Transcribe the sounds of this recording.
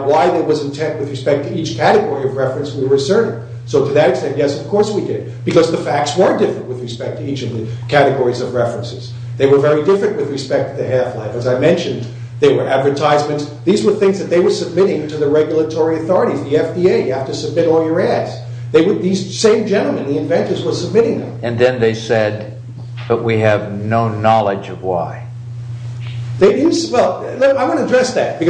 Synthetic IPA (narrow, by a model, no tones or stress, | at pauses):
waɪðeɪwʌzɨ̃ntʰɛ̃nʔ̚wɨðɹɨspɛk̚tʰɨit͡ʃkʰæɾɨɡɔɹiʌvɹɛfɹɨ̃nswiwə˞ɨsɜ˞ɾɪ̃ŋ | soʊɾɨðɨɾɨkstɛ̃nʔjɛsʌv̥kʰɔɹswidɪd̚b̥ɨkʌzðɨfæk̚tswə˞dɪfɹɨ̃nʔ̚wɨðɹɨspɛk̚tʰɨit͡ʃʌvðɨkʰæɾɨɡɔɹizʌvɹɛfɹɨ̃nsɨz̥ | ðeɪwə˞vɛɹidɪfɹɨ̃nʔwɨðɹɨspɛk̚tʰɨðɨhæflɛ̰fɨzaɪmɛ̃nʃɨ̃n | ðeɪwə˞ʔædvə˞tʰaɪzmɨ̃nts | ðizwə˞θɪ̃ŋzðɨt̪̚ðeɪwə˞sɨb̚mɪɾɪ̃ŋtʰɨðɨɹɛɡjl̩ˠətʰɔɹiɨθɔɹɨɾizðiɛfd̥ieɪjɨhæftɨsɨb̚mɪɾɔlˠjə˞ædz̥ | ðeɪwəd̚ðizsẽɪ̃md͡ʒɛ̃ñl̩ˠmɨ̃nðiɨ̃nvɛ̃ntə˞zwəz̥səb̚mɪɾɪ̃ŋðɨ̰̃mɨ̃nðɨ̃nðeɪsɛd̪̚ | b̥ʌʔ̚wiɨvnoʊnɑlˠɪd͡ʒʌvwa̰ɪ | ðeɪdɪdⁿn̩swɛlˠlaɪwɑ̃ñɨdɹɛsðæ̰t̚b̥ɨk